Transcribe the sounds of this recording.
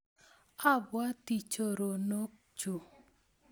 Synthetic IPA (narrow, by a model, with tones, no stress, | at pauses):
a˦bwa˦ti˨t͡ʃo˨ɾo˨no˦k̚ | t͡ʃo˨